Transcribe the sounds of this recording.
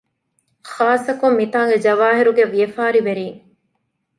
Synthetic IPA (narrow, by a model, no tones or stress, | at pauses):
xaːsːɐkumːit̪aːŋɡed͡ʒɐʋaːɦiɾuɡeʋijefaːɾiʋeɾiːŋ